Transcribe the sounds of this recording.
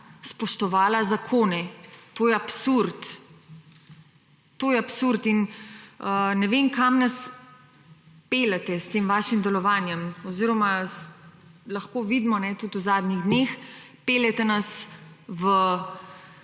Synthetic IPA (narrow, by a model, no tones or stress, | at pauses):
spɔʃt̪ɔʋaːlazakʰoːnɛt̪oːjɛapsuɾt̪ | t̪oːjɛapsuɾt̪inənɛʋenkamnas | peːlɛt̪ɛst̪eːmʋaːʃimd̪ɛlɔʋaːnjɛmɔziːɾɔma | laxkoːʋid̪mɔnɛt̪ut̪uzaːd̪niɣd̪neːx | pelɛt̪ɛnasʋə